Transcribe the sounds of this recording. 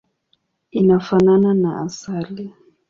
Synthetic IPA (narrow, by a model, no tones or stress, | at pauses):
inafanananaasali